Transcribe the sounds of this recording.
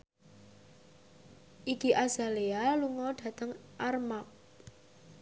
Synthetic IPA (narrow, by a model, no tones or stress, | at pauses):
ʔikiʔaz̥a̤lealuŋɔɖ̥ä̤t̪əŋʔarmap̚